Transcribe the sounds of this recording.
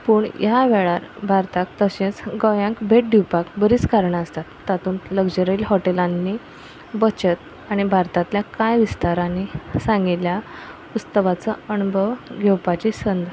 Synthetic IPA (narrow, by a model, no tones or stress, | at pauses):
puːɳjaʋeɭaɾbʱaɾt̪akt̪əɕẽt͡sɡɔjãŋkbʱeʈ̚ɖiwpakbəɾiːt͡skaɾɳəst̪at̪ːat̪uːnləɡd͡ʑəɾəilɦɔʈelanːi | bət͡ɕət̪̚ | aɽ̃ibʱaɾt̪ãt̪ljakajʋist̪aɾanisãŋɡiljapust̪əʋat͡səənubʱəʋɡʱɛwpat͡ɕisənd̪ʱ